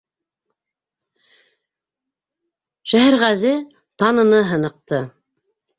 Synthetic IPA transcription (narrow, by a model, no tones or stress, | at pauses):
ʃæɦæɾʁæzɘ | t̪ɑnɤ̆nɤɦɤ̆nɤ̆q̚t̪ɤ